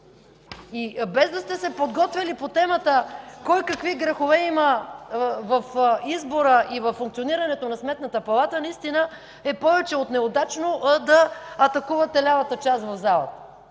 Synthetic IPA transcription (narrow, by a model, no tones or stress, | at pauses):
ibɛzd̪ɐst̪ɛsɛpod̪ɡɔt̪vʲɐlipot̪ɛmət̪əkɔjkɐkviɡɾɐxovɛimə | vɐfizboɾəʔivɐfːuŋkt̪sioniɾɐnɛt̪onɐsmɛt̪nət̪əpɐlˠat̪ənɐist̪inə | ɛpɔvɛt͡ʃɛot̪nɛod̪at͡ʃnoʔd̪ɐːt̪ɐkuvɐt̪ɛlʲavɐt̪ət͡ʃast̪vɐvzalˠə̰t̪ə